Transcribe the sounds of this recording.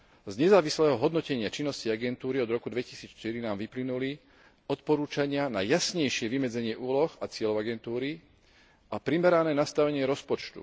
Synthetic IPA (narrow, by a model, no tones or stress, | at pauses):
zɲɛzaːʋislɛːɦɔɦɔd̪nɔcɛɲɪat͡ʃinːɔsciaɡɛnt̪uːɾiɔd̪ɾɔkud̪ʋɛcisiːt͡sʃt̪iɾinaːmʋiplinuli | ɔt̪pɔɾuːt͡ʃaɲɪanajasɲɛjʃɪɛʋimɛd͡zɛɲɪɛʔuːlɔxat͡sɪɛlɔʊaɡɛnt̪uːɾi | apɾimɛɾanɛːnast̪aʋɛɲɪɛɾɔspɔt͡ʃt̪ṵ